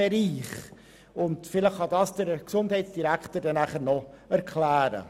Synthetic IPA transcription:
ɛɾiːχ | ʊntfɪləχːɑdɑːsd̥əɾksʊnd̥hɛɪsd̥iɾækʰtəɾdɛnæχəɾnɔ | ɛɾkʰlæːɾə̰

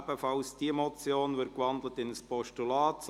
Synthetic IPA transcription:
bəfɑlsd̥iəmɔt͡sjoːnvɪɾt̚kʋɑnd̪l̩ətɪnəspɔʃtulɑːts

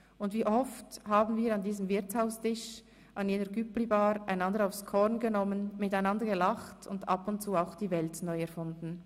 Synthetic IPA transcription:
ʊndviːʔɔfthaːbn̩viːɾɑndiːzəmvɪʁt͡shaʊstɪʃ | ʔɑnjeːnəɾɡyplibaːɾa̰ɪnɑndəɾaʊfskʰɔʁnɡənɔmənmɪtaɪnɑndəɡəlaχtʰʊndɑ̰pʊntt͡suːaʊxd̥iːvɛltnɔʏɛɾfʊndn̩

